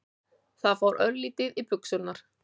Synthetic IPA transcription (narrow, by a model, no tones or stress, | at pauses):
θaðfawɾʔœ̰ɾliːt̪ɪðipʏksʏlnaɾ̥